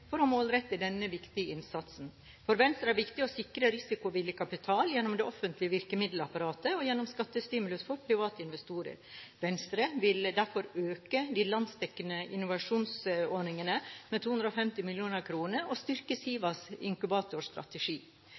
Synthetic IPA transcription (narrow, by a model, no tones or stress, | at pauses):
fɔɾɑmoːlɾɛt̪ːɪd̪ɛnːəʋɪkt̪ɪəɪnsɑt̪sn̩ | fɔɾʋɛnst̪ɾəæɾʋɪkt̪ɪɔsɪkɾəɾɪsɪkʊʋɪlːəkʰɑpɪt̪ʰɑːljɛnːɔmd̪ɛʔɔfənt̪lɪəʋɪɾkəmɪd̪l̩ɑpɑɾɑːt̪əɔjɛnːɔmskɑt̪ːəst̪ɪːmʉlʉsfɔɾpʰɾɪʋɑːt̪əɪnʋɛst̪uːɾə̰ɾʋɛnst̪ɾəʋɪld̪æɾfɔɾøːkəd̪ɪlɑnd̪st̪ʰɛkːənəʔɪnːʊʋɑʂuːnsoɳɪŋənəmɛt̪ʰuːʉnd̪ɾɔfɛmt̪ɪmɪljuːnəɾkʰɾuːnəɾʔɔst̪ʏɾkəsiːʋɑsɪ̰ŋkʉbɑːt̪ʊʂt̪ɾɑ̰t̪əʂiː